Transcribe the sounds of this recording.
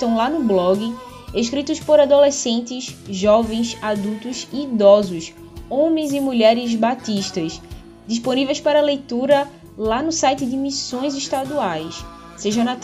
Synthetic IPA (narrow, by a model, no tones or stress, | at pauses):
t̪ɐ̃w̃lanʊblɔɡɪ | eʃkɾit̪ʊspoɾad̪olesẽnt̪ɪzʒɔvẽj̃sad̪uwt̪ʊziːd̪ɔzʊs | õmẽj̃zɪmuʎɛɾɪzbat̪iʃt̪ɐz | d̪iʃponivejspaɾɐlejt̪uɾɐ | lanʊsajt̪ɪd̪ɪmisõj̃zɪʃt̪ad̪uajs | seʒɐ̃na